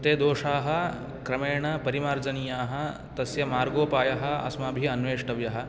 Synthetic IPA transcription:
t̪eːd̪oːʂaːɦɐ̆ | kɾɐmeːɳɐpɐɾimaːɾd͡zɐnijaːɦɐ̆ | t̪ɐsjɐmaːɾɡoːpaːjɐɦɐ̆ɐ̰smabʱiɐnʋeːʂʈɐʋjɐɦɐ̆

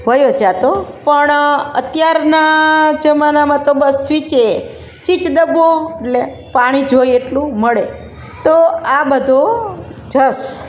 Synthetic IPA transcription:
ʋəjod͡ʒat̪opəɳət̪jaɾnad͡ʒəmanamãt̪obəsːʋit͡ʃe | sit͡ʃd̪əboeʈle | paɽ̃id͡ʒʱojeʈlũməɭe | t̪oabəd̪ʱod͡ʒəs

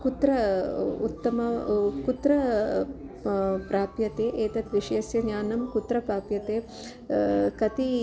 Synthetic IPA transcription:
kut̪ɾɐṵt̪ːɐmɐkut̪ɾɐ | pɾaːpjɐt̪eːʔeːt̪ɐt̪ʋiʃeːsjɐɲaːnɐmkut̪ɾɐpɾaːpjɐt̪eː | kɐt̪i

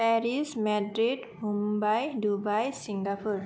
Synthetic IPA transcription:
pɛɾismadɾid | mumbajdubajsiŋɡapur

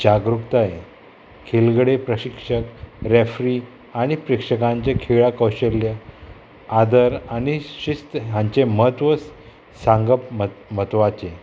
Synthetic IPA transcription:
d͡ʑaɡɾukt̪ae | kʰelɡɽepɾəɕikʂəkɾefɾi | aɽ̃ipɾekʂəkãɲt͡ɕekʰeɭakəwɕəljə | ad̪əɾaniɕist̪jãɲt͡ɕeməɦət̪ʋəs | sãŋɡəpm̤ət̪ʋat͡ɕe

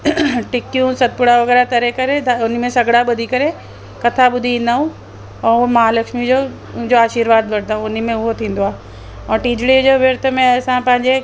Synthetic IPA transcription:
ʈɪkijũsɐt̪̚pʊɽaʋɐɣɛːɾat̪ɐɾekɐɾed̪ʱaʊnə̆mẽsɐɡɽaɓʊd̪ʱikɐɾe | kɐt̪ʰaɓʊd̪ʱiĩːn̆d̪aːũ | ɛ̃ːʊɦmaɦalɐkʃmid͡ʑõ | d͡ʑoaːʃiːɾʋaːd̪ʋɐɽd̪aːũʊnimẽʊɦot̪ʰĩːn̆d̪oaːɦe | ɔ̃ːʈiːd͡ʑɽid͡ʑoʋeɾt̪ʰəmẽɐsãpɐ̃ɦɪ̃ɲd͡ʑe

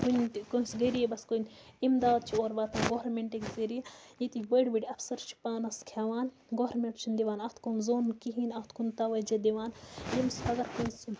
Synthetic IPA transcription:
kunkosɡəɾijebɐskonimd̪aːd̪̚t͡ʃʰioːɾʋɐːt̪ɐnɡoɾmeɳʈekzeɾijejit̪ibəɽʲbiɖiɐpʰsɐɾt͡ʃʰi̥paːnɐskʰaːʋaːn | ɡoɾmeɳʈt͡ʃʰind̪iʋaːnɐt̪ʰkunzoːnkiɦinɐt̪ʰkunt̪ɐʋɐd͡ʒɐd̪iʋaːnjimsɐɡɐɾkojsi

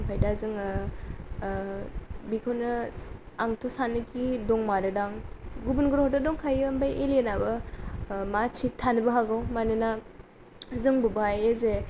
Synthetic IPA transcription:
ŋpʰajdazɯŋɯ | bikʰonɯ | aŋtʰɔsanɯɡidɔŋmadɯdaŋɡubunɡɯɾɦɔtɔdɔŋkʰajɯmbajʔelenabɯ | mat͡ʃʰitʰːanɯbɯɦaɡawmanɯna | zɯŋbubajeze

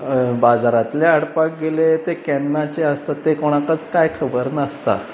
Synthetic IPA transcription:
bad͡zaɾat̪leəɽpak̚ɡelet̪ekɛnːat͡ɕeəst̪at̪ːekoɽ̃akat͡skajkʰəbəɾnast̪a̰

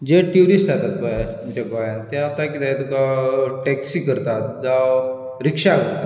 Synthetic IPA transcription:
d͡ʑeʈjuɾisʈat̪at̪kaaĩt͡ɕakajãnt̪aat̪akit̪ajt̪ukaʈɛksiːkəɾt̪at̪d͡za | ɾikʂakəɾt̪a

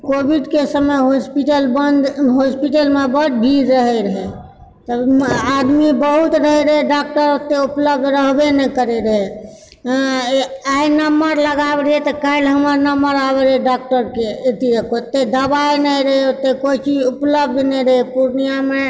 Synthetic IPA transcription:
kobiɖkesəməjɦospiʈəlbənd̪ɦospiʈəlmebət̪̚bʱiɾːəɦɛɾəɦe | t̪əbad̪mibəɦut̪ɾəɦɛɾəɦeɖak̚ʈəɾot̪ːeupləb̚d̪ʱɾəɦbenɛkəɾeɾəɦe | ainəməɾləɡabɾiet̪ɔkaɪlɦəməɾnəmbəɾabeɾeɖak̚ʈəɾkeet̪iɾekot̪ːed̪əbaenəiɾəɦeot̪ːekoit͡ʃid͡ʒupləb̚d̪nɛɾəɦepuɾnijame

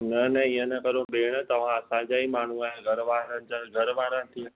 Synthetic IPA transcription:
nɐnɐiːə̃nɐkɐɾõɓeːɽ̃ə̆t̪ɐʋ̤ãɐsãd͡ʑaːimaːɳ̤uaɦẽɡʱɐɾʋaːɾənɪ̆d͡ʑaɡʱɐɾʋaːɾənɪ̆t̪ʰĩ

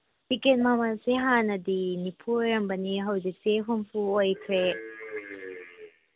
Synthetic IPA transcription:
biket̚mamaseɦanɐdinipʰuɔɾɐmbɐniɦɐwzik̚seɦumpʰuojkʰɾe

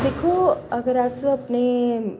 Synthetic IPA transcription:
d̪eːkʰoɐɡəɾaːseɐpne

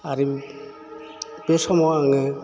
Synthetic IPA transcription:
aɾim | besɔmɔaŋɯ

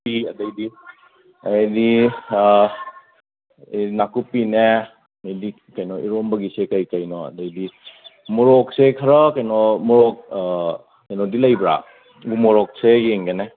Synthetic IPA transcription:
iadajdi | ajdi | inakupine | ajdi | kajnɔʔḭɾɔmbɐɡisekajkajnɔa̰dajdimɔɾɔk̚sekʰɐɾɔkajnɔmɔɾɔk̚ | kajnɔdilajbɾa̰ | ɡumɔɾɔk̚sejeŋɡene

